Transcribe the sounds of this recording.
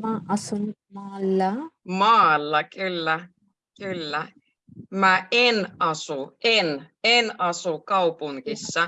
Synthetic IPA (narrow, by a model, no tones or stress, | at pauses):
maɑsun | mɑːlːɑmɑːlːɑkylːæ | kylːæ | mæʔenɑsuen | enɑsukɑupuŋkisːɑ